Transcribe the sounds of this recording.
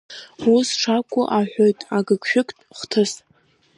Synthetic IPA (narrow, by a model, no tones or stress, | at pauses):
usʈ͡ʂʰakʷʼʊʔaħʷᶣojtʼaɡɨkʰʷʼʃᶣʊkʷʼtʼχʷtʰɨs